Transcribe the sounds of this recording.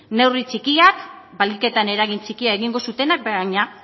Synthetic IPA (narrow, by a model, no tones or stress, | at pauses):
ne̞writ͡sikiak | balike̞t̪ane̞ɾaɣint͡ʃikiaeɣiŋɡo̞sut̪e̞nak̚beaɲa